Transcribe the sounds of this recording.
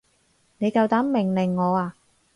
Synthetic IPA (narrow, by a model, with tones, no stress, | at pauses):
ne˨˧jkɐ˧wt̪aː˨˥mmɪ˨˩ŋlɪ˨˩ŋːɔː˨˧aː˧